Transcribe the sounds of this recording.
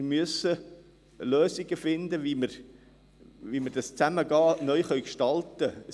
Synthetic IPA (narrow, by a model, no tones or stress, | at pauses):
myəsə | løːsiɡəfɪnd̪əviməɾ | ʋiməɾdɑst͡sæməɡɑːnœʏχœʏɥkʃtɑlt̪ə